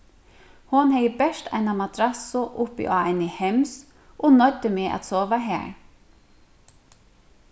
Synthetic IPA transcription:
hʊnheɪbæʃt̪ʰæ̰ɪnɑmɑt̪ʰɾɑsʊʔʊpḭʔo̰ːæɪnəhɛms | ʔonœɾd̪əmeːʔɑ̰t̪soːʋəɦæ̰ːɹ

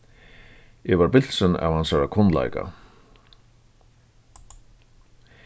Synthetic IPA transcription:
ɛvaɾbɪl̥sɪna̰vhansaɾakʰɔnla̰jka̰

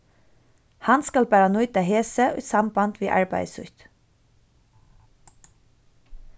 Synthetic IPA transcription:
hɑnskɑlbæɾɑnʊʏt̪əheːsəʔʉsɑmbɑnd̪ʋiːʔɑɹbæ̰ɪsʉ̰çt̪

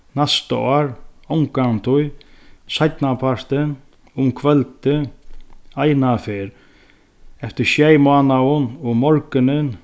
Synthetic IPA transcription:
nast̪ə̰ɔːɾɔmkaŋt̪ʰʊjsajt̪napʰaɾt̪ən | ʊmkʰʋɛlt̪ə | ajnafeːɾ | ɛft̪əʃjɛjmɑːnaʊnɔmɔɾkənən

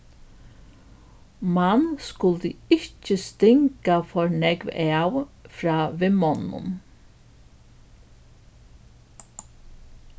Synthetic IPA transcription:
manskʊlt̪əɪt͡ʃəst̪ɪŋkafɔɹnɛɡʋɛwfɾɑːʋɪmɔnːʊ̰n

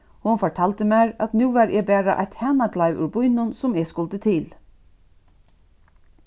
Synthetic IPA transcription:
hʊnfɔʈʰɑːlt̪əmæːɾɑt̪nʉːʋæːɾʔebæːɹə̰ʔæ̰ɪt̪hæːnɑɡlɑɪʋʔʉ̰bʊʏnʊnsʊmeskɔlt̪ət̪ʰɪl

